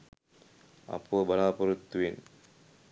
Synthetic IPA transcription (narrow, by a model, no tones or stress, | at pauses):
ɐ̰puʋəbɐlaːpoɾut̪ːuʋen